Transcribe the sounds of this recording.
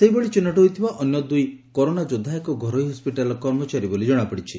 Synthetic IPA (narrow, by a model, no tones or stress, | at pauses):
seɦiboɭit͡ʃenːɔʈɔɦojt̪ʰibaʔɔnjɔd̪uj | kɔɾonad͡ʒod̪ʱːaekɔɡʱɔɾɔiɦɔspiʈalɔkɔɾmɔt͡ʃaɾibolid͡ʒɔɽ̃apɔɽit͡ʃʰi